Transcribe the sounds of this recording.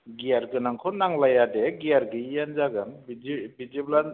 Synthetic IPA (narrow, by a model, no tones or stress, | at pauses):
ɡiaɾɡɯnaŋkʰɔnaŋlajadeɡaɾɡɯijanzaɡɯnbid͡ʒibid͡ʒiblan